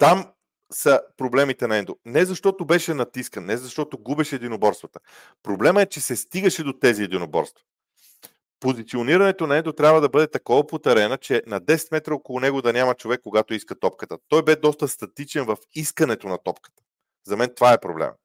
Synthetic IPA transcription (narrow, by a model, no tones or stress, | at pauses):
t̪am | sɐpɾoblɛmit̪ɛnɐɛnd̪onɛzɐʃt̪ɔt̪obɛʃɛnɐt̪iskənnɛzɐʃt̪ɔt̪oɡubɛʃɛɛd̪inobɔɾst̪vɐt̪ə̥ | pɾoblɛməɛt͡ʃɛsɛst̪iɡəʃɛd̪ot̪ɛziɛd̪inobɔ̰ɾst̪vɐ | pozit̪sioniɾɐnɛt̪onɐɛnd̪ot̪ɾʲabvəd̪ɐbɤd̪ɛt̪ɐkɔvɐpot̪ɛɾɛnɐt͡ʃɛnɐd̪ɛsɛ̥t̪mɛt̪ɾəokolˠʊnɛɡod̪ɐnʲamɐt͡ʃovɛkːoɡat̪oiskət̪ɔp̚kət̪ət̪ɔjbɛd̪ɔst̪əst̪ɐt̪it͡ʃɛnvɐfiskɐnɛt̪onɐt̪ɔpkə̥t̪ə̥ | zɐmɛnt̪ovaɛpɾo̰blɛ̰m̰